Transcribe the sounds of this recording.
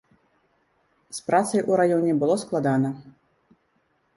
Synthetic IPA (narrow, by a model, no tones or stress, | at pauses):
spɾat̪sɐjʔuɾajɔnʲɛbɨlˠɔsklˠad̪anɐ